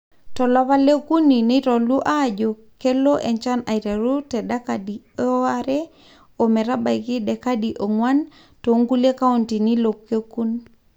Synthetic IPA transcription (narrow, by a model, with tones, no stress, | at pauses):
tɔ˨lɔ˦βa˦le˦ku˦ni˨ni˦tɔ˨lu˦ʔaː˦˨d͡ʒo˨ | kːe˦lo˦ʔɛ˨ɲt͡ʃa˦na˨iɾe˨ɾu˦tɛ˨ɗa˦ka˨di˨ | ɔ˦aɾɛ˦ | o˨mɛ˨ɾa˦ba˨jki˦ɗɛ˨ka˦di˨ʔo˨ŋwa˦n | to˨˦ŋɡu˦le˦ka˦o˦nti˨ni˦lo˨kːe˦ku˦n